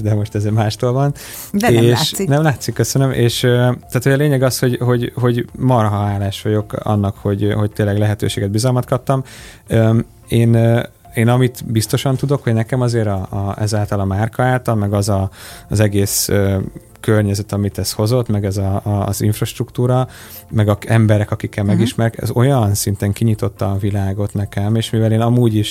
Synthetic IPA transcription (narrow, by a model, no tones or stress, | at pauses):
d̪ɛmo̞ʃt̪ɛzmaːʃt̪oːlvɒn | eːʃsinɛmlaːt̪sikːøsønømʔḛːʃøt̪aːt̪hojɒleːɲɛɡɒsho̞ɟɦo̞ɟɦo̞ɟmɒrɦɒaːlaːʃʋɒɟo̞kɒ̰nːɒkho̞ɟho̞c̚t̪eːnlɛɡlɛɦɛt̪ø̰ːʃeːɡɛd̪bizɒlmɒt̪kɒp̚t̪ɒm | ø | eːn | eːnɒmit̪bist̪o̞ʃɒnt̪ud̪o̞kho̞ɟnɛkɛmɒzeːɾɒɛzaːlt̪ɒlɒmaːrkɒaːlt̪ɒlmɛɡɒzɒːzɛɡeːsø | kørɲɛzɛt̪ɒmit̪ɛsho̞zo̞t̪mɛɡɛzɒzḭɱfrɒʃt̪rukt̪uːɾɒ | mɛɡɒɛmbɛɾɛkɒkikːɛlmɛɡiʃmɛɾkɛ̰zo̞jɒnsint̪ɛŋkiɲit̪o̞t̪ːɒvilaːɡo̞t̪nɛkɛmeːʃmivɛleːnɒmuːɟiʃ